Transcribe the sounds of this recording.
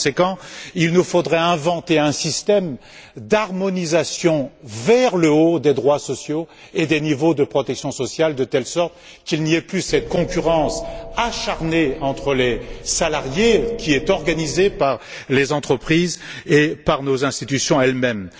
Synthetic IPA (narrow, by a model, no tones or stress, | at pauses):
sekɑ̃ilnufod̪ʁɛɛ̃vɑ̃t̪eɛ̃sist̪ɛm | d̪aʁmɔnizasjɔ̃vɛʁləod̪ed̪ʁwasɔsjo | ed̪enivod̪əpχɔt̪ɛksjɔ̃sɔsjald̪ət̪ɛlsɔʁt̪ | kilniɛplysɛt̪̚kɔ̃kʲyʁɑ̃saʃaʁneɑ̃t̪χəlesalaʁjekʲiɛt̪ɔʁɡanizepaʁlezɑ̃t̪χəpχizepaʁnozɛ̃st̪it̪ysjɔ̃ɛlmɛm